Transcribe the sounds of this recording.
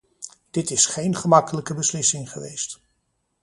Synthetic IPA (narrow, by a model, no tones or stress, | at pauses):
d̥ɪtɪsχejnχəmɑkələkəbəslɪsɪŋχəʋḛjst